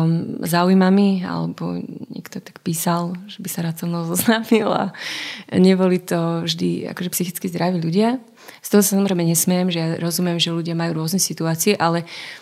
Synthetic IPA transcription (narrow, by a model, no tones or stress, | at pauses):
zaːujmamia̰lɛbɔ̰ɲɛ̰kt̪ɔt̪ḁkpiːsalʒɛbisaɾaːt̪sɔnɔzɔznaːmila̰ | ɲɛbɔlit̪ɔvʒd̪ḭa̰kɔʒɛpsixit͡skizd̪ɾaʋiʎuɟɪa | st̪ɔɦɔsasamɔzɾɛjmɛɲɛsmɛjɛmʒɛjaɾɔzumɪɛmʒɛʎuɟɪamajuːɾʊɔznɛsit̪uaːt͡siɛʔalɛ